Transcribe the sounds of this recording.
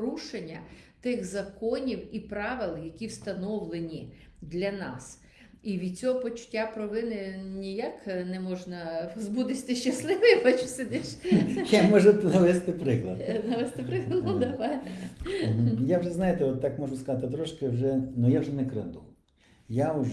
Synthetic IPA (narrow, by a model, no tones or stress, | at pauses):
ɾuʃenʲːɐ | t̪ɪɣzɐkɔnʲiwipɾɑʋɪlˠjɐkʲiwst̪ɐnɔwlˠenʲi | d̪lʲɐnɑ̰s | iʋʲid̪̚t͡sʲɔɦɔpɔt͡ʃʊ̥tʲːapɾɔʋɪnɪnʲijaknɛmɔʒnɐzbud̪ɪsʲt̪ɪʃt͡ʃɐslˠɪʋɪjpɐt͡ʃʊsʲed̪ɛʃjamɔʒʊt̪nɐʋɛst̪ɪpɾɪklˠɐd̪nɐʋɛst̪ɪpɾɪklˠnɐd̪ɐʋɐ | ɦ̩jawʒɛznɑjɪt̪ɛɔt̪ːakmɔʒʊskɐzat̪ɪt̪ɾɔʃkɪwʒɛnʊjawʒɛnɛkɾɪ̰nd̪ʊ | jaʊ